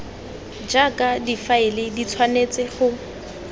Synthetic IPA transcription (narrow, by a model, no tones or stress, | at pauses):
d͡ʒakʼadifaɪlɪdit͡sʰwanet͡sʼɪχʊ